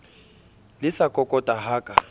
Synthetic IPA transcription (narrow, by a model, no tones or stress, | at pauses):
lɪsakʼɔkʼɔtʼaɦaːkʼa